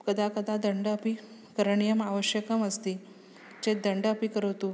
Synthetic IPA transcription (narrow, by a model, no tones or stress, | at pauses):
kəd̪ʱakəd̪ad̪əɳɖəəpikəɾəɳijəmaʋəɕjəkəməst̪iː | t͡ɕed̪əɳɖəpikəɾəʋt̪u